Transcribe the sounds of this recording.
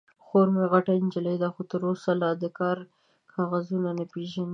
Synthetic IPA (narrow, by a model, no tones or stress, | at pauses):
xoɾmeɣaʈaɪnd͡ʒələjd̪axot̪əɾosalɑd̪əkɑɾ | kʰɑɣazunanapeʒani